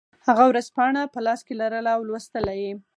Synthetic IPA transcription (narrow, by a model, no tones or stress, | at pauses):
haɣawɾazpɑɳ̃apəlɑskelaɾəlaːwlwəst̪əlaje